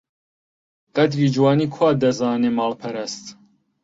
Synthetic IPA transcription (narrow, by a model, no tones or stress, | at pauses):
qʼɐd̪ɾiːd͡ʒwɑːniːkʰwɑːd̪ɐzɑːneːmɑːlpʰɐɾɐst̪